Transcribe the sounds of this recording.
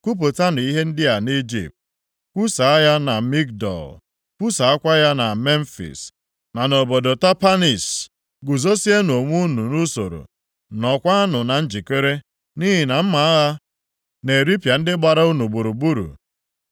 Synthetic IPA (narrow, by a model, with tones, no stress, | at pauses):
ku˦p̬o˨ta˦n˨i˦ɦe˦n̩˦dɪ˦a˨ni˦d͡ʒḭ˨p̚t̚ | kʷu˦sa˨a˦ja˦na˨mi˦k̚dɔ̰˨l | kʷu˦sa˨a˦kʷa˦ja˦na˨me˦n̩˦fḭ˨s | na˨no˨bɔ˨do˨ta˦pa˦ni˨s | ɡʊ˨zo˦si˦e˦n˨o˨ŋʷu˦nu˨nu˦so̰˨ɾo̰˨ | nɔ˨kʷa˦a˦nʊ˨na˨n̩˦d͡ʒi˨ke˦ɾe˦ | ni˦ɦi˨na˨m̩˦ma˨a˦ɣa˦ | ne˨ɾi˦pja˨n̩˦dɪ˦ɡ͡ba˨ɾa˦u˦nu˨ɡ͡bu˨ɾu˨bu˦ɾṵ˨